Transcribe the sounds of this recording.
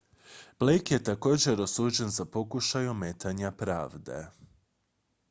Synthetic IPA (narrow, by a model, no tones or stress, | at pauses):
b̥lejkje̞t̪ako̞ːd͡ʑe̞ɾo̞suːd͡ʑe̞nzapo̞kuʃajomet̪ʰaɲapɾa̰ːʋd̪e̞̰